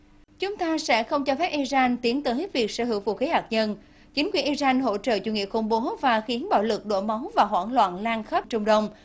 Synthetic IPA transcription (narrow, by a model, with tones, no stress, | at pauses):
t͡ɕʊ˨˦ŋ͡mt̪aː˧sɛ̰˧˥xə˧wŋ͡mt͡ɕɔ˧fɛ˦˥p̚ʔi˧zaː˧nt̪i˨˦ənt̪ɨː˨˩hi˦˥t̚vi˨˩ək̚sə̰ː˧˩ɦɨ˧˩əwvṵ˧˨xi˨˦haː˨˩k̚ɲə˧n | t͡ɕï˨˦ŋ̟kwi˨˩ənʔi˧za˧nɦo̰˧˥t͡ɕə̰ː˧˨t͡ɕu˧˩ŋḭ˧˨əxʊ̰˧˩ŋ͡mɓo˨˦vaː˨˩xi˨˦ənɓa̰ː˧˩wlɨ˨˩k̚ɗo̰˧˥ma˨˦wŋ͡mvaː˨˩ɦwa̰ː˧˥nlwa̰ː˧˨nlaː˧nxə˦˥p̚t͡ɕʊ˧ŋ͡mɗə˧wŋ͡m